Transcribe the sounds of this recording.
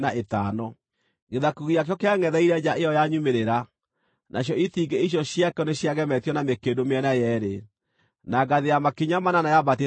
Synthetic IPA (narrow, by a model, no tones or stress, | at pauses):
naʔetanɔ | ɣeðakuɣiak̬jɔkeaŋɛðɛiɾɛd͡ʒaʔejɔjaɲumeɾeɾa | nʔaɕ̬jɔitiɡeiɕ̬jɔɕjakɛɔneɕjaɣɛmɛtijɔnamekedomeɛnajɛɾe | naɡaðejamakiɲamananajabat̬e